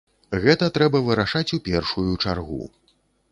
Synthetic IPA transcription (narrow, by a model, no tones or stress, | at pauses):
ɣɛt̪ɐt̪ɾɛbɐvɨɾaʂat͡sʲupʲɛrʂujut͡ʂarɣṵ